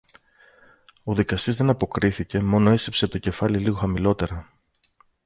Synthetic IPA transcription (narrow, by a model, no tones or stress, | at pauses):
o̞ðikɐst̪izðe̞nɐpo̞kɾiθice̞mo̞no̞e̞sepse̞t̪oce̞fɐliliɣo̞xɐmilo̞t̪e̞ɾɐ